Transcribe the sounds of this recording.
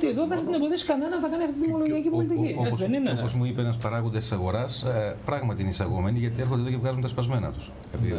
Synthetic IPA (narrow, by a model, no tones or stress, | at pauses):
t̪ieðoðesɐt̪ineboðiɐsi̥kɐnenɐnɐkɐniɐft̪it̪imoloʝiɐcipolit̪iciopoðenineopozmuipeenɐspɐɾɐɣuond̪est̪i̥sɐɣo̞ɾɐspɾɐɣmɐt̪iineisɐɣo̞me̞niʝɐt̪ieɾxod̪eðocevɣɐzunt̪ɐspɐzme̞nɐ̰t̪u̥s | e̞̰piði